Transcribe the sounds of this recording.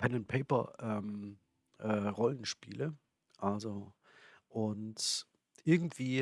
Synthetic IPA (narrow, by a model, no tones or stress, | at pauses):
pʰɛnɛ̃nt̚pʰeɪpɐ̰ʔɛːm | ʔɛːʁɔlənʃpḭːlə | ʔalzo | ʔʊnt | ʔɪɐɡŋ̩tv̥iː